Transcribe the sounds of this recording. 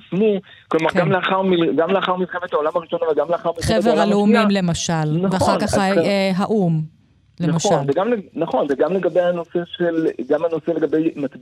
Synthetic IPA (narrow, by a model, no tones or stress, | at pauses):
smu | klomaʁɡamleaχaʁmilɡamleaχaʁmilχemet̪aolamaʁiʃo̞navalɡamleaχaʁmilχeveʁʁaleumimle̞maʃalnaveaχaʁkaχɦaʔum | lemaʃanzeɡamlenaχo̞nzeɡamleɡabejhano̞se̞ʃelɡamano̞seleɡabe̞jmat̪